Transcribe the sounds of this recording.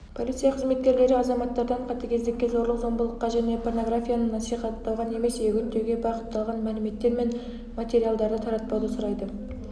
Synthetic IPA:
pʰo̞lʲit̪sɨjaqʰəzme̞t̪̚kʲe̞ɾle̞ɾɪɑzɑmɑt̪ːɑɾd̪ɑɴqʰɑt̪ɑkʲʰe̞zd̪ekʲːezo̞ɾlˠəqzo̞mbəlˠəqːɑʒæne̞pʰo̞rno̞ɡrɾafʲijanənɑsijχɑt̪ːɑlˠʁɑne̞me̞seɡʲʏɾt̪ːe̞ɡʲe̞bɑqət̪ːɑlˠʁɑnmælɪme̞t̪ːe̞ɾme̞n | mat̪ʲe̞ɾijald̪ɑɾd̪ət̪ʰɑɾɑt̪̚pɑwd̪əsʊɾɑjd̪ə

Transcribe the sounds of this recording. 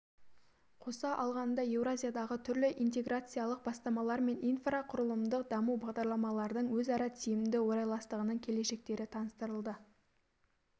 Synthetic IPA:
qʰo̞sɑʔɑlˠʁɑnd̪ɑje̞wɾazʲijad̪ɑʁət̪ʰʏɾlɪʔijnt̪e̞ɡrʔat̪sɨjalˠəq̚bɑst̪ɑmɑlˠɑɾme̞nijnfraqʰʊɾəlˠəmd̪əq̚d̪ɑmuwbɑʁd̪ɑɾlˠɑmɑlˠɑɾd̪əɴwɵzɑɾɑt̪ʰijmɪnd̪ɪwo̞ɾɑjlˠɑst̪əʁənəɴkʲʰe̞le̞ʃe̞k̚t̪e̞ɾɪt̪ʰɑnəst̪əɾəlˠd̪ə

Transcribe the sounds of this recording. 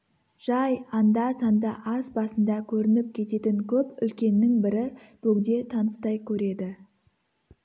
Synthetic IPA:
ʒ̥ɑjɑnd̪ɑsɑnd̪ɑʔɑzbɑsənd̪ɑkʲʰɵɾɪnɪp̚kʲʰe̞t̪e̞t̪ɪŋkʲʰɵpʏ̰lkʲe̞nːɪŋbɪɾɪ | b̥ʰɵɡd̪e̞t̪ʰɑnəst̪ɑjkʲʰɵɾe̞d̪ɪ

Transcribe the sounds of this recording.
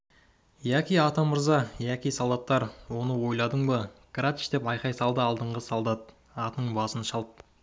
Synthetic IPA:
jækʲijɑt̪ɑməɾzɑjækʲijsolˠd̪ɑt̪ːɑɾwo̞nəwo̞jlˠɑd̪əɴbəɡ̥ɾat̪ʃt̪e̞pɑjqɑjsɑlˠd̪əɑlˠd̪əɴʁəsolˠd̪ɑt̪̚ | ɑt̪əɴbɑsənʃɑlˠp̚

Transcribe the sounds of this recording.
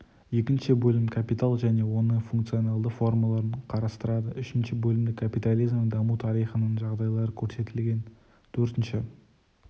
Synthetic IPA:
je̞kʲɪnʃɪbɵlɪmkʰapijt̪alˠʒæne̞wo̞nəɴfuŋkt̪sio̞nɑlˠd̪əfo̞rmalˠɑɾəɴqʰɑɾɑst̪əɾɑd̪əʔʏʃɪnʃɪbɵlɪmd̪ɪkʰapit̪alˠijzmd̪ɑmut̪ʰɑɾijχənəɴʒɑʁd̪ɑjlˠɑɾəkʲʰɵɾse̞t̪ɪlɡʲe̞n | t̪ʰɵɾt̪ɪnʃɪ

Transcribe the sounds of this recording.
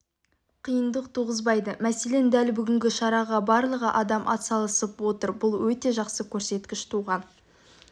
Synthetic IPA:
qʰijənd̪əq̚t̪ʰuʁəzbɑjd̪əmæse̞le̞nd̪ælbʏɡʲɪŋɡʲɪʃɑɾɑʁɑbɑɾlˠəʁəʔɑd̪ɑmʔɑ̰t̪sɑlˠəsəpwo̞t̪əɾbʊlˠwɵt̪e̞ʒɑqsəkʲʰɵɾse̞t̪kʲɪʃt̪ʰuʁɑn

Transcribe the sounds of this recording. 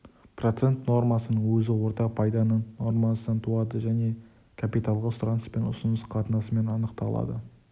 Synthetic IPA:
pro̞t̪se̞nt̪no̞rmɑsənəɴwɵzɪwo̞ɾt̪ɑpʰɑjd̪ɑnəno̞ɾmɑsənt̪ʰuɑd̪əʒæne̞ | kʰapijt̪ɑlˠʁəst̪ɾɑnspe̞nʊsənəsqʰɑt̪ənɑsəme̞nɑnəqt̪ɑlˠɑ̰d̪ə̰

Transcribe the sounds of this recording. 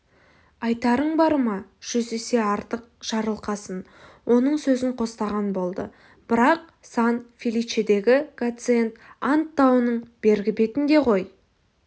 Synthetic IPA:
ɑjt̪ɑɾəɴbɑɾəmɑʒ̥ʏze̞se̞ɑɾt̪əq̚ | ʒ̥ɑɾəlˠqɑsən | wʔo̞nəɴsɵzɪɴqʰo̞st̪ɑʁɑnbo̞lˠd̪ə̰ | b̥ɪɾɑq̚ | sɑnfʲilʲijt͡ʃed̪e̞ɡʲɪkat̪sɨe̞nt̪ɑnt̪ːɑwənəɴb̥e̞ɾɡʲɪbe̞t̪ɪnd̪e̞ʁo̞j

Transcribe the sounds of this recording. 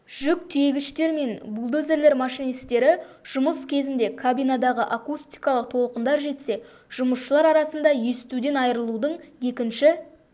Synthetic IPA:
ʒ̥ʏk̚t̪ʰeɡʲɪʃt̪e̞ɾme̞nbulˠd̪ɵze̞ɾle̞ɾmɑʃijnist̪e̞ɾɪ | ʒ̥ʊməskʲʰe̞zɪnd̪e̞kʰabijnad̪ɑʁəʔakust̪ijkɑlˠəq̚t̪ʰo̞lˠəqənd̪ɑɾʒe̞t̪se̞ | ʒ̥ʊməsʃəlˠɑɾɑɾɑsənd̪ɑje̞sɪ̥t̪ud̪e̞nɑjɾəlˠud̪əɴje̞kʲɪnʃɪ

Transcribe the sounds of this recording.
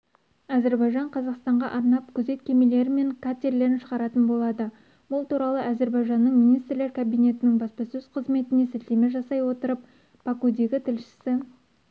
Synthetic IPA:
æze̞ɾbɑjʒɑɴqʰɑzɑqst̪ɑɴʁɑʔɑɾnɑp̚kʲʰɵze̞t̪kʲʰe̞mele̞ɾɪme̞ŋkʰat̪ʲe̞ɾle̞ɾɪnʃəʁɑɾɑt̪ənbo̞lˠɑd̪ə | bʊlˠt̪uɾɑlˠəʔæze̞ɾbɑjʒɑnːəɴmijnijst̪ɾle̞ɾkʰabijne̞t̪ɪnɪŋbɑspɑsɵz̥qʰəzme̞t̪ɪne̞set̪lemeʒɑsɑjwo̞t̪əɾəp̚ | bakud̪e̞ɡʲɪt̪ʰɪlʃɪ̥sɪ

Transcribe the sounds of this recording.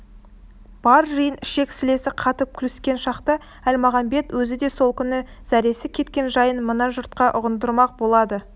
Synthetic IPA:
b̥ɑɾʒəjənɪʃe̞ksɪle̞sɪqʰɑt̪əp̚kʲʰʏlɪ̥skʲe̞nʃɑqt̪ə | ælmɑʁɑmbe̞t̪wɵzɪd̪e̞so̞lˠkʲʰʏnɪ | z̥æɾe̞sɪkʲʰe̞t̪kʲe̞nʒɑjənmənɑʒʊɾt̪̚qɑʔʊʁənd̪əɾmɑq̚bo̞lˠɑd̪ə

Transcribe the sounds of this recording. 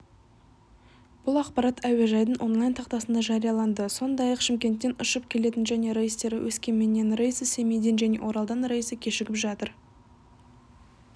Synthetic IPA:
b̥ʊlˠɑqpɑɾɑt̪æwe̞ʒɑjd̪əɴʔo̞nlˠajnt̪ʰɑq̚t̪ɑsənd̪ɑʒɑɾijɑlˠɑnd̪əso̞nd̪ɑjɑqʃɪmkʲe̞nt̪ːe̞nʊʃəpkʲʰe̞le̞t̪ɪnʒæne̞ɾejst̪e̞ɾɪwʔɵskʲe̞nme̞nːe̞nrejsəse̞mejd̪e̞nʒæne̞̰wʔo̞ɾɑlˠd̪ɑnɾɑjsəkʲʰe̞ʃɪɡʲɪpʒɑt̪əɾ

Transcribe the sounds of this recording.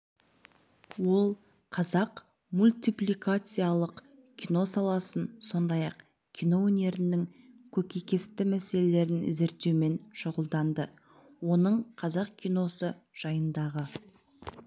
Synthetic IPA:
wo̞lˠ | qʰɑzɑq | mulʲt̪ijplʲikat̪sɨjalˠəq | kʲʰino̞sɑlˠɑsənso̞nd̪ɑjɑq | kʲʰijno̞wɵne̞ɾɪnːɪŋkʲʰɵkʲekʲe̞st̪ɪmæse̞le̞le̞ɾɪnɪ̰zeɾt̪eme̞nʃʊʁəlˠd̪ɑnd̪ə | wo̞nəɴqʰɑzɑqkʲʰijno̞sə | ʒ̥ɑjənd̪ɑʁə

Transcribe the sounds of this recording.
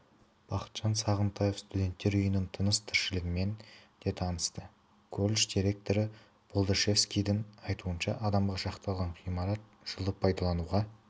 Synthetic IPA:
b̥ɑqə̥t̪ʒ̥ɑnsɑʁənt̪ʰɑje̞fst̪ud̪ʲe̞nt̪ːe̞ɾʊjənɪnt̪ʰənəst̪ʰɪɾʃɪlɪɡʲɪme̞nd̪̥e̞t̪ʰɑnəst̪ə | kʲʰɵlʲʃd̪iɾe̞k̚t̪o̞ɾə | b̥olˠd̪əʃe̞fskʲijd̪ɪŋɑjt̪uənʃɑ̰ʔɑd̪ɑmʁɑʃɑqt̪ɑlˠʁɑɴqʰijmɑɾɑt̪̚ | ʒ̥əlˠəpʰːɑjd̪ɑlˠɑnuʁɑ

